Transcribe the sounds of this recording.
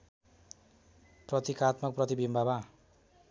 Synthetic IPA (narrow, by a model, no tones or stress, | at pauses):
prʌt̪ikat̪mʌk̚prʌt̪ibimbʱaba